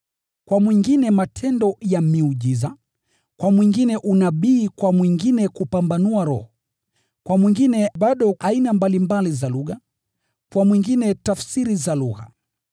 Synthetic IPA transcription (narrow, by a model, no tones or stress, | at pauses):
kwamwiŋɡinɛmatʰɛndɔjamiuʄiza | kwamwiŋɡinɛʔunaɓiːkwamwiŋɡinɛkupambanuaɾɔ̰hɔ | kwamwiŋɡinɛɓaɗɔʔainambalimbalizaluɣa | kwamwiŋɡinɛtafsiɾizaluɣa̰